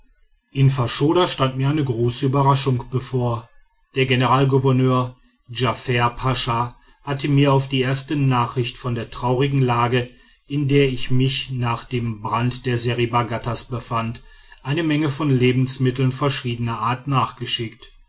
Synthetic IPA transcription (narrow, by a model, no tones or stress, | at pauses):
ʔɪnfaɐʃoːɾaʃtantmiɐaɪnəɡʁoːsəyːbɐʁaʃʊŋkb̥əfoːɐ | d̥eːɐɡenəʁaːlɡuvɐnøːɐ | d͡ʒafɛːɐpʰaʃa | hatʰəmiːɐaʊfd̥iːʔeːɐstənaːχʁ̥ɪçtfɔndeːɐtʁ̥aʊʁɪɡŋ̩laːɡə | ʔɪndeːɐɪçmɪçnaːχd̥eːmbʁantd̥eːɐzeʁibaɡatasb̥əfant | ʔaɪnəmɛŋəfɔnleːbm̩smɪtl̩nfɛɐʃiːdənɐʔaːɐtnaːχɡ̥əʃɪkt